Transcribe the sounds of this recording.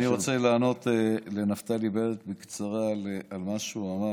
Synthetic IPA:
niʁot͡selaːno̞t̪elenaft̪alibelet̪̚bikt͡saʁalealmaʃuama

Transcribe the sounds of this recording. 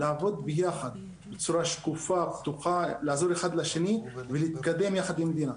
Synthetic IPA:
laːvo̞d̪bejaxad̪ | bet͡suɾaʃkufabt̪uxalaazo̞ɾexad̪laʃeniveliːt̪kad̪e̞mjaxad̪imːd̪ina

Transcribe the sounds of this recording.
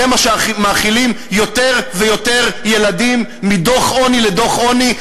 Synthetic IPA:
emaʃmaːχilim | jo̞t̪e̞ʁvejo̞te̞ʁje̞ladimːid̪o̞χʔo̞niledo̞χʔoni

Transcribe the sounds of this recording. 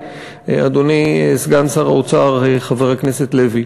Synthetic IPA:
ḛad̪onisɡansaʁaot͡saʁeχaveʁakneset̪levi

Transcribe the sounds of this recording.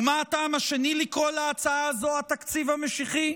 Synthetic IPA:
maːtaːmaʃenilikʁolaːt͡saaːzoat̪akt͡sivhame̞ʃiχi

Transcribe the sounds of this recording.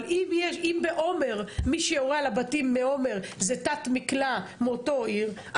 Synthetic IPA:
limjeʃimbeʔo̞me̞ʁmiʃejoʁealabatimːeo̞me̞ʁzetatmiklameoto̞iʁʔ

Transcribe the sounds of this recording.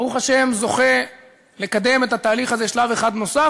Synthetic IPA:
aʁuχaʃe̞mzo̞χe̞ | le̞kad̪e̞me̞t̪hat̪aːliχazeʃlave̞χad̪no̞sa

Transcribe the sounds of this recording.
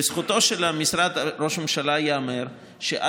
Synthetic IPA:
esχut̪o̞ʃelamisɾad̪aɾo̞ʃmemʃalajaameɾ | ʃḛʔa

